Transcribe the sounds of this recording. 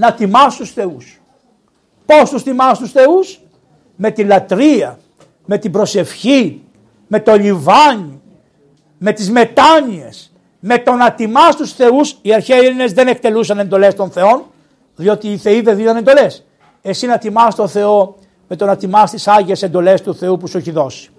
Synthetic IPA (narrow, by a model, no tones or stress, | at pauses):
nɐt̪imɐst̪usθe̞us | po̞st̪ust̪imɐst̪usθe̞us | me̞t̪ilɐt̪ɾiɐ | me̞t̪ibɾo̞se̞fçi | me̞t̪o̞livɐɲi | me̞t̪izme̞t̪ɐɲie̞s | me̞t̪o̞nɐt̪imɐst̪usθe̞usiɐɾçeline̞zðe̞ne̞k̚t̪e̞lusɐne̞nd̪o̞le̞st̪o̞nθe̞o̞n | ðio̞t̪iːθe̞iðeðinɐne̞nd̪o̞le̞s | e̞sinɐt̪imɐst̪o̞θe̞o̞ | me̞t̪o̞nɐt̪imɐst̪isɐʝiesend̪o̞le̞st̪uθe̞upusueçiðo̞si̥